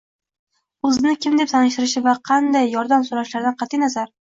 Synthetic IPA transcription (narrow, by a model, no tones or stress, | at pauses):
ɵzɪnɪkʲʰɪmd̪e̞psʰanɪʃt̪ɪɾɪʃɪvaqʰɑnd̪ajːɒɾd̪amsoɾaʃlaɾd̪anqʰɑt̪ʰɪjnazaɾ